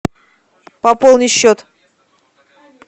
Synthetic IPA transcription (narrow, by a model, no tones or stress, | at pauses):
pɐpolˠnʲɪɕːot̪